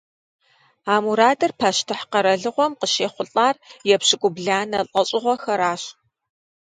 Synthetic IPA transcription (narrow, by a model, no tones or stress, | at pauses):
aːmuɾaːdɐrpʰaːʃtʰɨħqɐɾɐɮɨʁʷɔmqəʃeːχʷʊɬʼaːrjɛpɕɪkʷʼʊbɮaːnɐɬʼɐɕʼɪʁʷɔxɐɾaːɕ